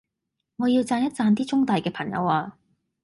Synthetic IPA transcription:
ŋɔː˨˧jiː˧wt͡saː˧njɐ˥t̚t͡saː˧nt̪iː˥t͡sʊ˥ŋt̪aː˨jkɛː˧pʰɐ˨˩ŋjɐ̰˨˧waː˧

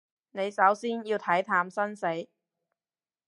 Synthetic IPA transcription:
ne˨˧jsɐ˨˥wsiː˥njiː˧wt̪ʰɐ˨˥jt̪ʰaː˨˧msɐ˥nse˨˥j

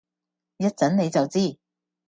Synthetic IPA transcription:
jɐ˥t̚t͡sɐ˨˥nne˨˧jt͡sɐ˨˩wt͡siː˥˩

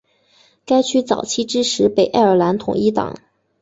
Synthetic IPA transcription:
ka˥ɪt͡ɕʰy˥t͡sɑ̰˨˩ʊt͡ɕʰi˥ʈ͡ʂɻ̩˥ʂʰɻ̩˧˥pe˨˩ɪʔa˥˩ɪə˞˨˩la˧˥nt̪ʰʊ̰˨˩ŋi˥t̪ɑ̰˨˩˦ŋ

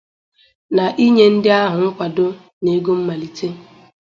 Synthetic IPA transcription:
na˨ʔi˦ɲe˦n̩˦dɪ˦a˦ɦʊ˨ŋ̩˦kʷa˨dʊ˦ | ne˨˦ɡo˦m̩˦ma˨li˨te˦

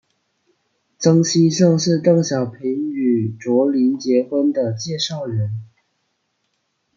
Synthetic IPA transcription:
t͡sɤ˥ŋɕi˥ʂɤ˥˧ŋʂɻ̩˥˧t̪ɤ˥˩ŋɕjɑ˨˩ʊpʰi˧˥˦y˨˩ʈ͡ʂwɔ˧˥li˧˥nt͡ɕjɛ˧˥xwə˥nd̪ə˨t͡ɕjɛ˥˧ʂɑ˥˩ʊɻə˧˥n

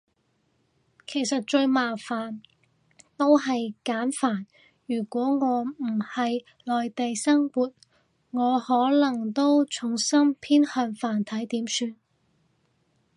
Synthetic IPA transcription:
kʰe˨˩jsɐ˨t̚t͡ʃɵ˧ɥmaː˨˩faː˨˩n | t̪o˥wɦɐ˨jkaː˨˥nfaː˨˩n | jyː˨˩kʷɔː˨˥ŋɔː˨˧m̩˨˩hɐ˨j | lɔː˨jt̪e˨jsɐ˥ŋwuː˨t̚ | ŋɔː˨˧hɔː˨˥lɐ˨˩ŋt̪o˥wt͡sʰʊ˨˩ŋsɐ˥ŋpʰiː˥nhœː˧nfaː˨˩nt̪ʰɐ˨˥jt̪iː˨˥msyː˧n

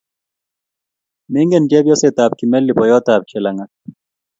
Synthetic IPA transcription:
me˦ŋɡɛ˨nd͡ʒɛ˦bjɔ˦se˨t̪a˨p̚ki˨mɛ˦lːi˨pɔ˨jɔ˦t̪a˨p̚t͡ʃʰɛ˨la˨ŋa˨

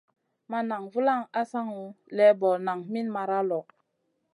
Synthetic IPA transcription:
ma˦na˨ŋvu˦la˦˨ŋa˦sa˦ŋu˨˦lɛ˦bɔ˨na˨ŋmi˦nma˨ɾa˦lɔ˨

